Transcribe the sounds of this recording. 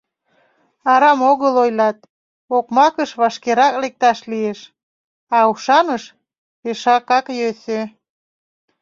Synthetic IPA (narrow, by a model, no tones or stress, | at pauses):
ɑɾɑmoɣəlojlɑt̪̚ | okmɑkəʃβɑʃkeɾɑklek̚t̪ɑʃlieʃ | ɑuʃɑnəʃ | peʃɑkɑkjøsø